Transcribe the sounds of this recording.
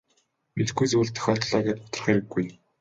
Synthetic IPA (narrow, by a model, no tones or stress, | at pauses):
met̪ɡujt͡sŭːɮt̪ʰœ̥xʲœːt̪ɮaːɣæːt̪̚pʊ̥t̪ɞ̆rχeɾɘ̆ɡːuj